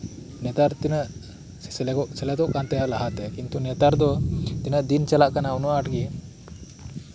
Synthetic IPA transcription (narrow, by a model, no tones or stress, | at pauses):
nɛt̪aɾt̪inəʔ | ssɛlɛkɔʔsɛlɛt̪ɔʔkant̪ɛjaʔlaɦat̪ɛkint̪unɛt̪aɾd̪ɔt̪inəʔd̪int͡ʃalaʔkanaunuaaʈɡi